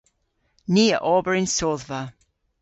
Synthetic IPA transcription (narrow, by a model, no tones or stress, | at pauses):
niːəʔɔbəɹɪ̃nsoðvə